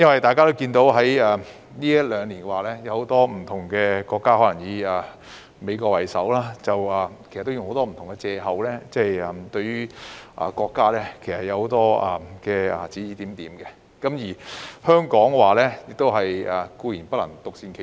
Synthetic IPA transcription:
jɐ˥nwɐ˨jt̪aː˨jkaː˥t̪o˥wkiː˧nt̪o˨˧˥wɦɐ˨˥jɐ˨ | niː˥jɐ˥t̚lœː˨˧ŋliː˨˩nkɛ˧waː˨˩lɛː˥jɐ˨˧who˨˧˥wt̪ɔː˥m̩˨˩t̪ʰʊ˨˩ŋkɛː˧kɔː˧kːaː˥hɔː˨˥lɐ˨˩ŋjiː˨˧˨ | me˨˧jkɔː˧kwɐ˨˩jsɐ̰˨˥wlaː˥t͡sɐ˨wɐː˨kʰe˨˩sɐ˨˩t̪ːjʊ˨ŋho˨˥wt̪ɔː˥m̩˨˩t̪ʊ˨˩ŋkɛ˧t͡sɛː˧ɦɐ˨wlɛː˥t͡sɛ˥˩jɐ˨mt̪ɵ˧ɥyː˥ʔɐ̰˨kɔː˧kːaː˥lɛː˥kʰe˨˩jsɐ˨t̚jɐ˨˧who˨˧˥wt̪ɔː˥ɐ˨˩kɛː˧ɐ˨˩t͡siː˨˥jiː˨˧t̪iː˨˥mt̪iː˨˥mkɛ˧ | kɐ˨˥mjiː˨˩hœː˥ŋkɔː˨˥ŋ˧waː˨˩lɛː˥jɪ˨k̚t̪o˥wɦɐ˨jɐ˨kuː˧jiː˨˩npɐ˥t̚lɐ̰˨˩ŋt̪ʊ˨k̚siː˧nkʰe˨˩

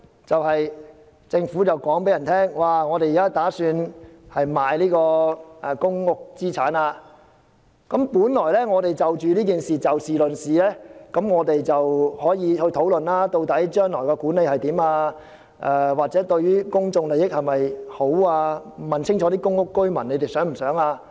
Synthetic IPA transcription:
t͡sɐ˨whɐ˨j | t͡sɪ˧ŋfuː˨˥t͡sɐ˨wkɔː˨˥ŋpe˨˥jɐ˨˩nt̪ʰɛː˥ŋwaː˨ŋɔː˨˧t̪e˨jiː˨kaː˥t̪aː˨˥syː˧nhɐ˨jmaː˨jliː˥kɔː˧ʔɛ˨kʊ˥ŋŋʊ˥k̚t͡siː˥t͡sʰaː˨˥naː˧ | kɐ˨˥mpuː˨˥nlɔː˨˩jlɛː˥ŋɔː˨˧t̪e˨jt͡sɐ˨wt͡ʃyː˨liː˥k̬iː˨nsiː˨t͡sɐ˨wsiː˨˩lɵ˨nsiː˨lɛː˥kɐ˨˧˥mŋɔː˨˧t̪e˨jt͡sɐ˨whɔː˨˥jiː˨˧hɵ˧t̪ʰo˨˥wlɵ˨nlaː˥t̪o˧wt̪ɐ˨˥jt͡ʃœː˥ŋlɔː˨˩jkɔː˧kuː˨˥nle˧jhɐ˨jt̪iː˨˥maː˧ | ʔɛː˧waː˨k̚t͡sɛ˨˥t̪ɵ˧ɥɥyː˥kʊ˥ŋt͡sʊ˧ŋle˨jɪ˥k̚hɐ˨jmɐ˨jho˨˥waː˧mɐ˨˩nsʰɪ˥ŋt͡ʃʰɔː˨˥t̪iː˥kʊ˥ŋːʊ˥kːɵ˥ɥmɐ˨˩nːe˨˧jt̪e˨jsœː˨˥ŋm̩˨˩sœː˨˥ŋaː˧

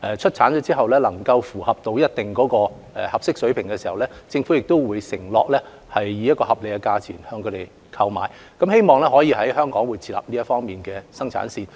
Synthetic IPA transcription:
ʔɛ˨t͡ʃʰɵ˥t̚t͡sʰaː˨˥nt͡ʃɔː˨˧˥t͡siː˥ɦɐ˨wlɛ˥lɐ˨˩ŋkɐ˧wfuː˨˩hɐ˨p̚t̪o˧wjɐ˥t̚t̪ɪ˨ŋkɔː˨˥kɔː˧ | ɛ˨˩hɐ˨p̚sɪ˥k̚sɵ˨˥ɥpʰɪ˨˩ŋkɛ˧siː˨˩hɐ˨wlɛ˥t͡sɪ˧ŋfu˨˥jɪ˨k̚t̪o˥wwuː˨˧˥jsɪ˨˩ŋlɔː˨k̚lɛ˥ | hɐ˨jːiː˨˧jɐ˥t̚kɔː˧hɐ˨p̚le˨jkɛ˧kaː˧t͡sʰḭː˨˩nhœː˧ŋkʰɵ˨˧t̪e˨˩j | kʰɐ˧wma̰ː˨˥j | kɐ˨˥mhe˥jmɔː˨˩ŋlɛː˥hɔː˨˥jiː˨˧hɐ˨˥jɦœː˥ŋkɔː˨˥ŋwu˨˧jt͡sʰiː˧˩la̰ː˨p̚niː˥jɐ˥tfɔː˥ŋmiː˨˩nkɛː˧sɐ˥ŋt͡sʰa̰ː˨˥nsiː˧n

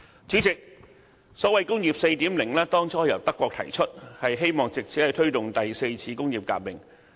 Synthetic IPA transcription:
t͡syː˨˥t͡sɪ˨k̚ | sɔː˨˥wɐ˨jkʊ˥ŋjiː˨p̚se˧jt̪iː˨˥mlɪ˨˩ŋlaː˥t̪ɔː˥ŋt͡sʰɔː˨˥jɐ̰˨˩wt̪ɐ˥kʷːwɔː˧t̪ʰɐ̰˨˩jt͡ʃʰɵ˥t̚hɐ˨jɦe˥jmɔː˨˩ŋt͡sɪ˨k̚t͡sʰi˨˥ɐ˨˧jt̪ʰɵ˥ɥt̪ʊ˨ŋt̪ɐ˨jse˧jt͡sʰiː˧kʊ˥ŋjiː˨˩p̚ka̰ː˧p̚mɪ˨˩ŋ

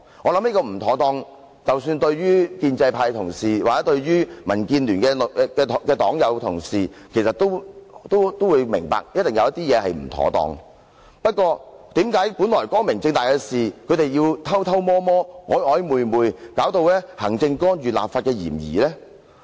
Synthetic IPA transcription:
ŋɔː˨˧lɐ˧˥mliː˥kɔː˧m̩˨˩t̪ʰɔː˨˥t̪ɔː˧ŋ | t͡sɐ˨wsyː˧nt̪ɵ˧ɥɥyː˥kiː˧nt͡sɐ˧jpʰaː˧jt̪ʰʊ˨˩ŋsiː˨wa˨t͡sɛː˨˥t̪ɵ˧ɥɥyː˥mɐ˨˩nkiː˧nlyː˨˩nkɛː˧kɛː˧t̪kɛː˧t̪ɔː˨˥ŋjɐ˨˧wt̪ʰʊ˨˩ŋsiː˨ | kʰe˨˩jsɐ˨t̪ːo˥wt̪o˥wt̪o˥wuː˨˧jmɪ̰˨˩ŋpa̰ː˨k̚jɐ˥t̚t̪ɪ˨ŋjɐ˨˧wjɐ˥t̪iː˥jɛː˨˧hɐ˨jm̩˨˩t̪ʰɔ̰ː˨˥t̪ɔ̰ː˧ŋ | pɐ˥t̚kʷɔː˧ | t̪iː˨˥mkaː˨˥jpu˨˥nlɔː˨˩jkɔː˥ŋmɪ˨˩ŋt͡sɪ˧ŋt̪aː˨jkɛː˧siː˨˩kʰɵ˨˧ɥt̪e˨jjiː˧wt̪ʰɐ˥wt̪ʰɐ˥wmɔː˥mɔː˥hɔː˨˥jhɔː˨˥jmuː˨jmuː˨jkaː˨˥wt̪o˧wlɛː˥hɐ˨˩ŋt͡sɪ˧ŋkɔː˥njyː˨la̰ː˨pfaː˧t̚kɛː˧jḭː˨˩mjḭː˨˩lɛː˥

